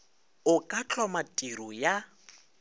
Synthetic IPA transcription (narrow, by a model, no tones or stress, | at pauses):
ʊkʼat͡ɬʰɔmatʼiɾɔja